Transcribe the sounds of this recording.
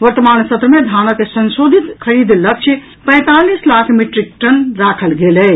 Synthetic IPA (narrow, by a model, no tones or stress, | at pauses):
ʋəɾt̪əmaːnsət̪ɾəmed̪ʱanəkesənsod̪ʱit̪kʰəɾid̪lək̚t͡ʃʰə | pɛ̃ɪ̃t̪alislakʰmiʈɾik̚ʈənɾakʰəlɡelɛ